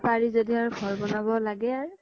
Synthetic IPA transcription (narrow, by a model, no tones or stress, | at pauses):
paɹizodiaɹbʱɔɹbɔnabɔlaɡɛaɹ